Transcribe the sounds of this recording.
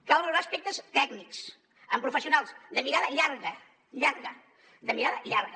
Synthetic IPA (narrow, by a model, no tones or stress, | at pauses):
kawɾəɾaːspek̚t̪əst̪ɛɡniks | əmpɾufəsiunalˠsd̪əmiɾaðəʎaɾɣə | ʎaɾɣə | d̪əmiɾaðəʎaɾɣə